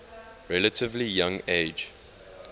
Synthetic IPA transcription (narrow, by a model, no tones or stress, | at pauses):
ɹɛlətɪvlijãŋeɪd͡ʒ